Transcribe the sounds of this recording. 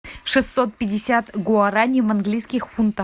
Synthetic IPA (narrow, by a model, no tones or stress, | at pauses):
ʂɨsːot̪̚pʲɪdʲɪsʲat̪ɡʊɐɾanʲɪmɐnɡlʲijskʲɪxfunt̪ə